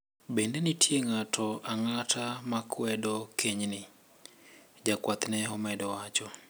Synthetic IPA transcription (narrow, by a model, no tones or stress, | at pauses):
bendenɪtʰjeŋatʰɔaŋatʰamakʰwɛdɔkʰeɲnɪ | d͡ʒakwat̪nɛɔmɛdɔwat͡ʃɔ